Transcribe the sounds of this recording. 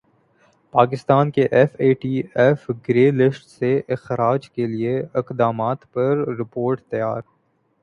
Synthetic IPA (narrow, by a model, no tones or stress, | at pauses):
paːkɪst̪aːnkeʔɛfeːʈiːɛːfɡɾeːlɪsʈseʔɪxɾaːd͡ʒkelieɪqd̪aːmaːt̪pɐɾɾɪpoːɾʈt̪ɐjaːɾ